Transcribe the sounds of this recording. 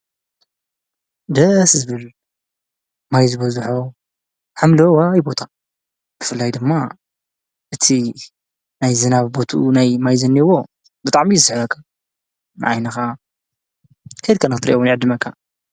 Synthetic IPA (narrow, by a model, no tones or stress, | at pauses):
d̪ɐszɨβɨl | majzɨβɐzuħo | ħamlowajbo̞t̪ʰa | b̥ɨfɨlːajd̪ɨmːa | ʔɨt̪ʰi | najzɨnaβbo̞t̪ʰṵnajmajzɐnːiwo̞ | bɨt̪ʼaʕmizɨsɨħβɐkʰːa | nɨ̰ʕajnɐxa | kʰɐjd̪̚kʰɐnɐxt̪ɨɾḭʔɛwnʕɨd̪ːɨmɐkʰːa